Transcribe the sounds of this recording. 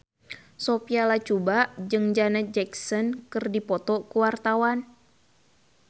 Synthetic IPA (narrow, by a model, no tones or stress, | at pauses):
sɔpialat͡ʃubaʔd͡ʒɨŋd͡ʒanad͡ʒɛksɔnkɨrdipɔt̪ɔkuwart̪awan